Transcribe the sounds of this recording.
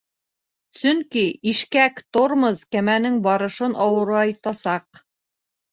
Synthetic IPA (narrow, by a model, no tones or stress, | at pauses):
sɵŋkiiʃkækt̪oɾmɤzkæmænɘŋbɑɾɤ̆ʃɤnʔɑwɤ̆ɾɑɑjt̪ɑsɑq